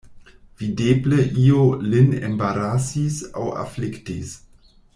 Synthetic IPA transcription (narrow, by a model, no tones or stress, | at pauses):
v̥idebleʔiolinḛmbaɾasisa̰wa̰fliktis